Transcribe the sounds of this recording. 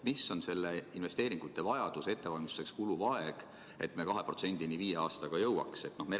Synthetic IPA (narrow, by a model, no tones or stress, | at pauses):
misːo̞nse̞lːeinve̞st̪e̞ːɾiŋɡ̥ut̪ːe̞vɑjɑd̪̥uset̪ːe̞vɑlmist̪e̞kskuluvɑe̞ɡ̥ | e̞t̪ːme̞kɑɦe̞pro̞t̪se̞nʲd̪̥iniviːjeɑːst̪ɑɡ̥ɑjɤwɑ̰kset̪ːˑno̞hme